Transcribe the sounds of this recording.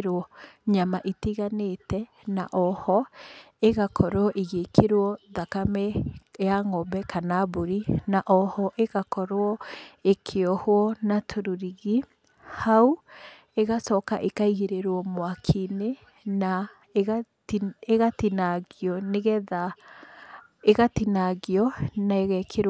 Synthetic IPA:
ɾoɔɲamaʔitiɣanetɛ | na̰ʔɔhɔ | eɣakʰɔɾoɔʔeɣekʰeɾoɔðakamɛjaŋɔbɛkanaboɾinaʔɔhɔʔeɣakɔɾoɔekʰeɔhoɔnatʰoɾuɾiɣi | hau | eɣasɔkaʔekaiɣeɾeɾwɔmoakʰine | na | ɣa | eɣatinaɣiɔneɣɛða | eɣatinaɣeɔnaeɣɛkʰeɾ

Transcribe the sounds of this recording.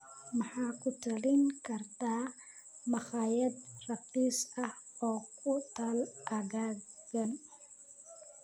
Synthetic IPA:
mɑħɑːkʰʊt̪ʰɐlɪŋkʰɐrt̪ʰaː | mɑχɑːjɐd̪rɐbisɐhɔːkʰʊt̪ʰalʔɐɣaːɡɐn

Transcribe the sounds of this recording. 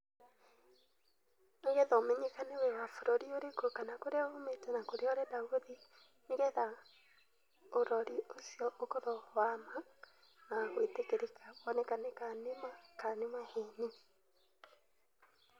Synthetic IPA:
naɣɛðɔmeɲekanewɛwafoɾoɾioɾekokanakoɾeaometɛnakoɾeɔɾɛdaoði | neɣɛða | oɾɔɾiosiɔʔokoðɔwama | naɣwetekeɾekawɔnɛkanekanemakanemaheni

